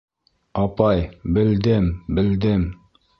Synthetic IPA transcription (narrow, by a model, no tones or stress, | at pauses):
ɑpɑjbɘ̆ld̪ɘmbɘ̆ld̪ɘm